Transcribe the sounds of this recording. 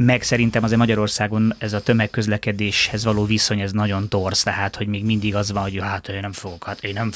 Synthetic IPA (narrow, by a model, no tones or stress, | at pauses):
mɛksɛɾint̪ɛmɒzeːrmɒɟɒɾo̞rsaːɡo̞nɛzɒt̪ø̞mɛkːø̞zlɛkɛd̪eːʃhɛzʋɒloːviso̞ɲɛznɒɟo̞nt̪o̞rst̪ɛɦaːt̪ho̞ɟmeːɡmind̪iɡɒzʋɒnɦoɟøɦaːt̪oønɛɱfoɡokɒt̪eːnɛɱ